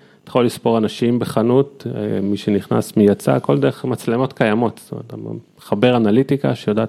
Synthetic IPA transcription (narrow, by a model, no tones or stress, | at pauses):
t̪aχolispo̞ʁanaʃimbeχanut̪miʃeniχna̰smijat͡sa̰ko̞ld̪e̞eχmat͡sle̞mo̞t̪kajamo̞t̪st̪omḛt̪eχabe̞ʁanalit̪ika̰ʃejod̪aː